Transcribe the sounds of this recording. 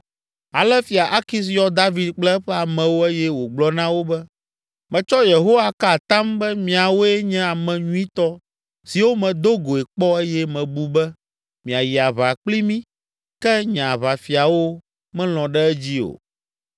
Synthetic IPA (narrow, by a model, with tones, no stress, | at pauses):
a˨lɛ˦fi˨a˨ʔa˦ki˦s̬jɔ˦d̪a˦vi˨d̪k͡plɛ˦ɸɛ˦a˨mɛ̃˨wo˦ɛ˦jɛ˦wo˨ɡ͡blɔ˦nã˦wo˦bɛ˦ | mɛ̃˨t͡ʃɔ˦je˨ɦo˦wa˨ka˦˨t̪ã˦mbɛ˦mĩ˨a˨wo˦ɛ˦ɲɛ̃˦a˨mɛ̃˨ɲũ˦ĩ˦t̪ɔ˦ | si˨wo˦mɛ̃˨d̪o˦ɡo˨e˨k͡pɔ˦e˦jɛ˦mɛ̃˨bu˦bɛ˦ | mĩ˨a˨ji˨a˨βa˨k͡pli˦mĩ˦ | kɛ˦ɲã˨βa˨fi˨a˨wo˦ | mɛ̃˦l̃ɔ̃˨ɖɛ˦ɛ˦d͡ʑi˦o̰˨